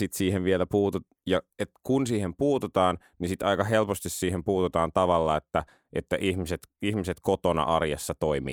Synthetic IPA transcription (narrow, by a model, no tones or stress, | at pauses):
sit̪siːheʋʋielæpuːt̪u | jɑet̪kunsiːhempuːt̪ut̪ɑːn | nisit̪ɑikɑhelpost̪issiːhempuːt̪ut̪ɑːnt̪ɑʋɑlːɑet̪ːæ | ʔet̪ːæʔihmiset̪ihmiset̪kot̪onɑ̰ʔɑrjɑsːɑt̪oimḭː